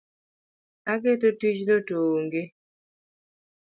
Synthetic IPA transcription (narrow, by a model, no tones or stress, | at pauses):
aɡetotit͡ʃlotoːŋɡɪ